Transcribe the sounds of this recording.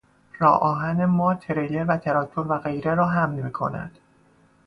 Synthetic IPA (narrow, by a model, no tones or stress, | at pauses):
rɒːʔɒːɦænemɒːt̪ʰeɾele̞ɾvæt̪ʰeɾɒːt̚t̪ʰoɾvæɣe̞jɾeɾɒːɦæmlmiːkʰo̞̰næ̰d̪̥